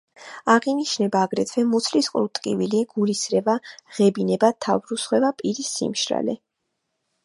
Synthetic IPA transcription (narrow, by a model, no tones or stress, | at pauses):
aʁiniʃnɛbaːɡɾɛt̪ʰvɛmut̪sʰlisqʼɾut̪ʼqʼḭviliɡ̥ulisɾɛvaʁɛbinɛbat̪ʰavɾusχwɛvapʼiɾisːḭmʃɾa̰lɛ̰